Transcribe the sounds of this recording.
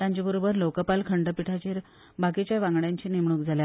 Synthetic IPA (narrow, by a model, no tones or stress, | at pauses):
jãɲt͡ɕabəɾobəɾlokəpalkʰəɳɖəpiʈʰat͡ɕeɾ | bʱakit͡ɕjaʋãŋɡɽjãɲt͡ɕiːnemɳ̃uːkd͡zʱalja